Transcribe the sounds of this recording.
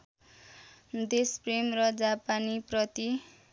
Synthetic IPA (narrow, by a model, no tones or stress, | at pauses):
d̪espremrʌd͡zapaniprʌt̪i